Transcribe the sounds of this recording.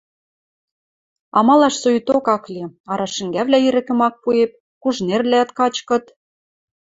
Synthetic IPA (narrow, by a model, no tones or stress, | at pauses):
ɑ̰mɑlɑʃsojt̪okɑkliɑɾɑʃɘ̆ŋɡæβlʲæiɾɘ̆kɘ̆mɑk̚puep̚ | kuʒnerlʲæt̪kɑt͡ɕkɤ̆t̪